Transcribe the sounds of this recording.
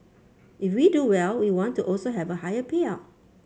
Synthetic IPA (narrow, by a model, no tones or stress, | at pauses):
ifwiduwɛlwiwɔ̃ntːuʔɔlsoɦɛvəhajəpʰia